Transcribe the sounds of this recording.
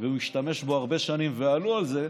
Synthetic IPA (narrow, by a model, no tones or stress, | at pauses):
veumiʃt̪ame̞ʃboaʁbe̞ʃanimvealualze̞